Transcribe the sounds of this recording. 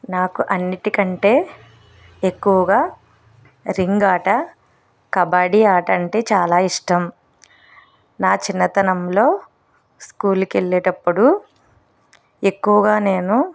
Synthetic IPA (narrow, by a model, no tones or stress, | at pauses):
naːkuʔɐnːiʈikɐɳʈe̞ː | ekːuʋɐɡaː | ɾiŋɡaːʈɐ | kɐbaːɽiaːʈɐɐɳʈe̞ːt͡ʃaːlaːiʂʈɐm | naːt͡ʃinːɐt̪ɐnɐmlo̞ː | skuːlkeɭːeːʈɐpːuɽu | e̞kːuʋɐɡaːne̞ːnu